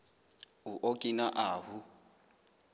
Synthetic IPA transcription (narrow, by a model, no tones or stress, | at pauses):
uʔokʼinaʔaːɦu